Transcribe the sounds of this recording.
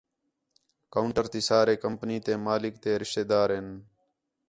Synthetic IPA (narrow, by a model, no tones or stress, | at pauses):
kəʊɳʈəɾt̪iːsaːɾeːkəmpniːt̪eːmaːlɪk̚t̪eːɾɪʃt̪eːd̪aːɾɦen